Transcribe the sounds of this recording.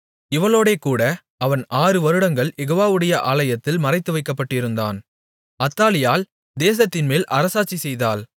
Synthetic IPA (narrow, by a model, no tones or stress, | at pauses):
ɪʋɐɭoːɽeːkuːɽɐ | ɐʋɐnaːrɯʋɐɾɯɽɐŋɡɐɭjɛɣoːʋaːʋɯɽɐjɐʔaːlɐjɐt̪ːɪlmɐrɐɪt̪ːɯʋɐɪkːɐpːɐʈːɪɾɯnd̪a̰ːn | ɐt̪ːaːlɪjaːl | d̪eːs̬ɐt̪ːɪnmeːlʔɐɾɐsaːt͡ʃːisɛjðaːl